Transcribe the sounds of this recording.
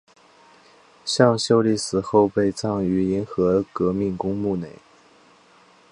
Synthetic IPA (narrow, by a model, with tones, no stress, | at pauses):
ɕjɑ˥˧ŋɕjo˥˧ʊli˥˩sɹ̩˨˩xo˥˧ʊpe˥˧ɪt͡sɑ˥˩ŋy˧˥i˧˥nxɤ˧˥kɤ˧˥mi˥˩ŋkʊ˥ŋmu˥˩ne˨˩˦ɪ